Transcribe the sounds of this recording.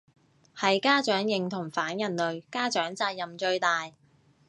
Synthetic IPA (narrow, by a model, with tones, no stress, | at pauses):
hɐ˨jkaː˥t͡ʃœː˨˥ŋjɪ˨ŋt̪ʰʊ˨˩ŋfaː˨˥njɐ˨˩nlɵ˨ɥkaː˥t͡ʃœː˨˥ŋt͡saː˧t̚jɐ˨mt͡ʃɵ˧ɥt̪aː˨j